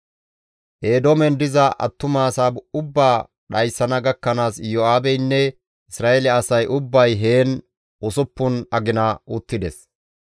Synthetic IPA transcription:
ʔe̞ːd̪oːmɛnd̪ɪzɐʔɐ̰t̪ːʊmaːsaːbʊbːaː | ɗɐjsːɐnɐɡɐkːɐnaːsjoːaːbɛjnːɛ | ʔɪsɾaːelɛɐsɐjʔʊbːɐjɦe̞ːn | ʔʊsʊpːʊnɐɡɪnɐʔʊt̪ːɪd̪ɛs

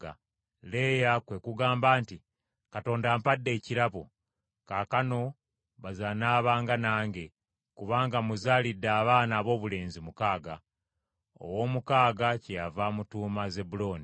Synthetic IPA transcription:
a̰ | le̞ːjakwe̞kuɡaːmbaːnti | kato̞ːndaːmpadːe̞ːciɾaβo̰ | kaːkano̞ | βazanaːβaːŋɡanaːŋɡe̞ | kuβaːŋɡamuzaːlidːaːβaːnaːβo̞ːβule̞ːnzimukaːɡa | o̰wo̞ːmukaːɡacejavamutuːmaze̞bulo̞ːni

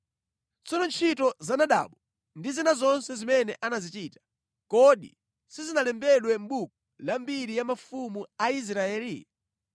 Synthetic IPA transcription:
t͡sɔnɔnt͡ʃʰitɔzanaɗa̰ːɓɔ | ndizinazɔnsɛzimɛnɛʔanazit͡ʃiːtḁ | kɔɗḭ | sizinalɛmbɛɗwɛm̩ɓuk̚ɔ̥lambiɾijamafumuais̬ɾaɛːli

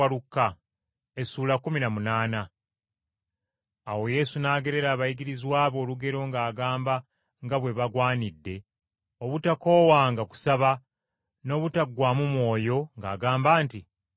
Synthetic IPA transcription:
aɾukːa | e̞suːlakuminamunaːna | wo̞je̞sunaːɡe̞ɾe̞ɾaːβajiɡiɾizwaːβo̞ːluɡe̞ɾo̞ŋɡaːɡaːmba | ŋɡaβwe̞βaɡwaːnidːe̞ | o̞βutako̞ːwaːŋɡaku̥saβa | no̞ːβutaɡwaːmumwo̞ːjo̞ŋɡa̰ːɡaːmbaːnti

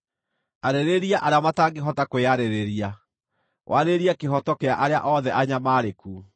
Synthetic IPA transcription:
aɾeɾeɾiaʔaɾeamataːŋɡeɦɔtakweaɾeɾeɾia | wʔaɾeɾiakeɦɔtɔkeaʔaɾea̰ʔɔðɛʔaɲamaːɾekuː

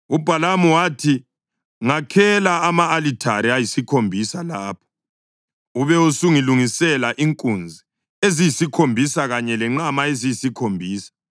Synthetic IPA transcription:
ub̥ʱalamuwatʰi | ŋakʰɛlaːmaːlitʰaɾiajisikʰombʱisalaːpʰɔ̥ | uβɛusuŋiluŋisɛlaʔiŋkʼund͡zʱi | ezijisikʰombʱisaɣaɲɛlɛŋ͡ǃamaezijisikʰombʱiːsḁ

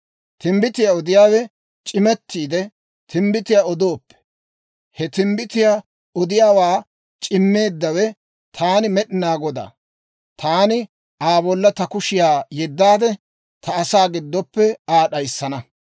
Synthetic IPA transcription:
t̪ɪmbɪt̪ɪjaɔd̪ɪjaːwɛ | t͡ʃʼɪmɛt̪ːiːd̪ɛ | t̪ɪmbɪt̪ɪjaɔd̪oːpːɛ̥ | hɛt̪ɪmbɪt̪ɪjaː | ɔd̪ɪjaːwaː | t͡ʃʼɪmːeːd̪ːɐwɛ | t̪ʰaːnɪmɛɗɪnaːɡɔd̪a̰ː | t̪ʰaːnɪ | ʔaːbɔlːɐt̪ɐkʊʃɪjaːjɛd̪ːaːd̪ɛ | t̪ʰɐːsaːɡɪd̪ːɔpːɛaːɗɐjsːɐnɐ

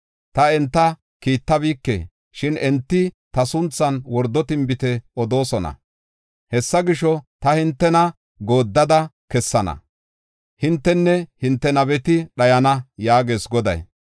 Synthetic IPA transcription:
t̪ɐɛnt̪ːɐ | kiːt̪ːɐbiːkːḛː | ʃɪnɛnt̪ːɪt̪ɐsʊnt͡sːɐnwɔɾd̪ːɔt̪ɪmbɪt̪ɛɔd̪o̞ːsɔnɐ̰ | hɛsːɐɡɪʃɔt̪ɐhɪnt̪ːɛnɐ | ɡo̞ːd̪ːɐd̪ɐkɛsːɐnɐ̰ | hɪnt̪ːɛnːɛhɪnt̪ːɛnɐβɛt̪ɪɗɐjɐnɐjaːɡe̞ːsɡɔd̪ɐ̰j

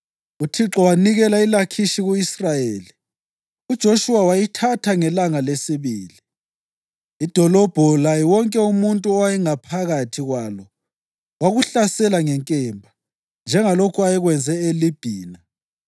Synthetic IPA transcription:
utʰiǁɔwaniɣɛlailakʰiʃiɣuisrajeːli | ud̥ʒ̥ʱoʃuwawajitʰatʰaŋɛlaŋalesiβiːli | id̥ʱɔlɔb̥ʱɔlajiwɔŋkʼɛumuntʼuɔwajɛŋapʰaɣatʰiɣwaːlɔ | waɣuɬasɛlaŋɛŋkʼɛmbʱa | nd͡ʒʱɛŋalokʰuajɛɣwɛnd͡zʱɛelib̥ʱiːna

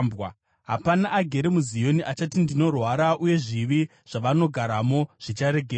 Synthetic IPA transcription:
bwa | ɦa̰panaʔːɡʱe̞ɾe̞muzijo̞niʔat͡ʃatindino̞rwaɾaʔuje̞ʐiʋi | ʐ̥aʋano̞ɡʱaɾamo̞ʐ̥it͡ʃaɾe̞ɡʱeː

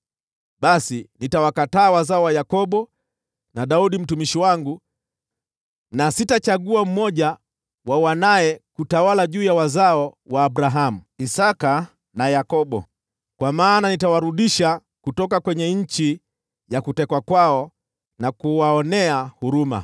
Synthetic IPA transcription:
ɓasinitawakataːwazaɔwajakɔɓɔ | naɗauɗim̩tumiʃiwaŋɡu | nasitat͡ʃaɠuam̩mɔʄa | wawanaɛkutawalaʄuːjawazaɔwaːɓɾaɦamuisaka | najakɔɓɔ̰ | kwamaːnanitawaɾuɗiʃa | kutɔk̬akwɛɲɛɲ̩t͡ʃi | jakutɛkwakwaɔ | nakuwaɔnɛahuɾuma̰

